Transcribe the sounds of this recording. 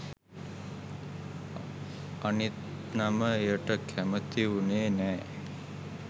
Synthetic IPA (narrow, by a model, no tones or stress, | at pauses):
anit̪ | naməejəʈəkʰæmət̪iʋuneːnɛː